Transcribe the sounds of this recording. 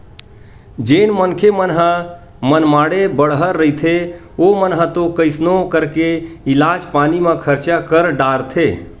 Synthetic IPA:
d͡ʒenmənkʰemənɦə | mənmaɽebəɽɦəɾːəit̪ʰe | omənɦət̪okəɪsnokəɾkeilad͡ʒpanimẽkʰəɾt͡ʃakəɾɖaɾt̪ʰe

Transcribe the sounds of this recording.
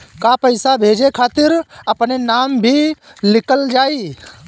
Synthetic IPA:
kapəɪsabʱeːd͡ʒekʰaːt̪ɪɾəpnenaːmbʱilɪkəld͡ʒaːiː

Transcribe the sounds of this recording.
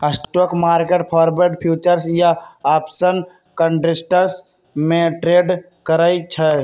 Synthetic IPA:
əsʈoːkmaːɾkeʈpʰɔːɾbeɖpʰjuːt͡ʃəɾsjaaːpsən | kə̃ɳɖɪsʈəɾs | mẽʈɾeːɖ | kəɾait͡ʃʰɛ

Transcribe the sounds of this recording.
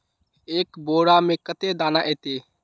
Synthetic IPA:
eːkboːɽaːmẽːkət̪ed̪aːnaʔeːt̪eː

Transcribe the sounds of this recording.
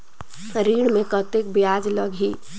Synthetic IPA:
ɾiːɽmẽkət̪ek̚bjaːd͡ʒləɡʱi

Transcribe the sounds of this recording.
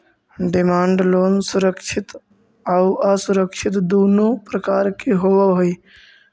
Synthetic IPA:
ɖɪmaːɳɖloːnsʊɾəkʃʰɪt̪ | auʔəsʊɾəkʃʰɪt̪d̪oːnopɾəkaːɾkeɦowaɦoi

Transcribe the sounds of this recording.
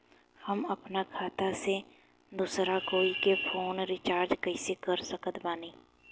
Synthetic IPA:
hɐmɐpnakʰaːt̪ase | d̪uːsɾakoːikefʰoːnɾɪt͡ʃaːɾd͡ʒkɛɪsekɐɾsɐkət̪baːneː

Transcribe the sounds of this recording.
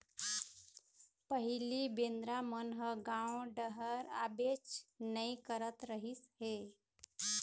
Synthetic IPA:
pəɦilibend̪ɾamənɦəɡãwɖəɦəɾabet͡ʃnəikəɾət̪ɾəɦisɦe

